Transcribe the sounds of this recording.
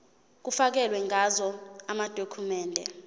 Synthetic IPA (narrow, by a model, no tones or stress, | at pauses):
k̬ufak̬ɛlwɛŋʱazɔamad̥ʱokʰumɛːndʱɛ